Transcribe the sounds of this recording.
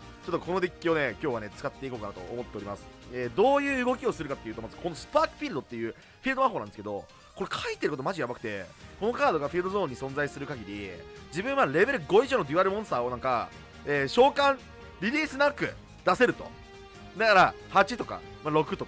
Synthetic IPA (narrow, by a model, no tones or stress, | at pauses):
t͡ɕo̞t̪ːoko̞no̞d̪ekʲːio̞ne̞kʲo̞ːβane̞t͡sɨ̥kat̪ːe̞iko̞ːkanat̪o̞ʔːmo̞t̪ːeɾimasɨ̥eːd̪o̞ːjɯ̟ːɡo̞kʲio̞sɨɾɯ̟kat̪ːeiɯ̟ːt̪omazɨ̥ko̞nosɨ̥paːkɯ̟̥ɸʲiɾɯd̪o̞t̪ːejɯ̟ː | ɸʲiɾɯd̪omãɦonãnd̪esɨ̥ke̞d̪o̞ | ko̞ɾekʰait̪ːe̞ɾɯ̟kot̪omaʑijabakt̪e̞̰ko̞nokaːd̪o̞ɡaɸʲiɾɯ̟d̪ozõ̞ːɲ̟ːisõ̞nd͡zaisɨɾɯ̟kaɡʲiɾʲid͡ʑibɯ̟̃ɰ̃mːaɾe̞be̞ɾɯ̟ɡo̞iʑono̞d̪ʲiaɾɯ̟mõɰ̃st̪aːo̞nãŋka̰ | eːɕo̞ːkãŋ̃ | ɾʲiɾʲiːsɨnakɯ̟̰ | d̪ase̞ɾɯ̟t̪o̞̰ | d̪akaɾa | hat͡ɕit̪o̞ka̰maɾo̞kɯ̟t̪o